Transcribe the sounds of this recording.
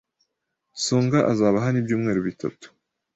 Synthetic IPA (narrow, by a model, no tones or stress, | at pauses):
suːŋɡaʔazaːβaɦanibɟuːmŋe̞ːɾuβitʰa̰tu̥